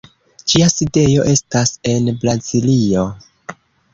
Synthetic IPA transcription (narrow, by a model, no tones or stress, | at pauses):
d͡ʒiaside̞jo̞ʔe̞stase̞nbɾazilio̞